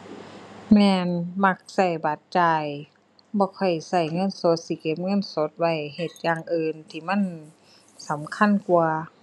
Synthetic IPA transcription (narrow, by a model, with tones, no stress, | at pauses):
mɛː˧nma˧k̚sa˧˩jba˨˧˦t̪̚t͡ɕaː˧˩j | bɔː˧˦kʰɔ˧˩jsa˧˩jŋɤ˧˥˨nso˧˦t̪̚si˧˦ke˧˦p̚ŋɤ˧˥˨nso˧˦t̪̚wa˧˩jhe˧t̪̚jaː˧˩ŋʔɯː˧nt̪ʰiː˧˩ma˧˥˨n | sa˨˦mkʰa˧˥˨nku˧